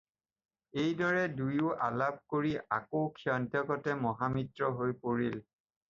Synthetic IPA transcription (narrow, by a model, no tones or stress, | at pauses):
ejdɔɹɛdujʊʔalab̚koɹiʔa̰kokʰiɔntjɔkɔtɛmɔɦamitɹɔɦojpoɹil